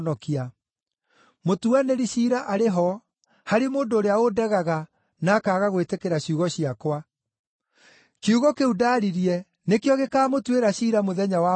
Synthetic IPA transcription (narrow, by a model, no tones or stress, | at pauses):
nɔkia | motuaneɾiɕiːɾaʔaɾeɦɔ | haɾimoːndoːɾeaodɛɣaɣa | naːkaːɣaɣwetekeɾaɕuɣɔɕiakwa | keuɣɔkeudaɾiɾjɛ | nekjɔɣekaːmotweɾaɕiːɾamoðɛɲawa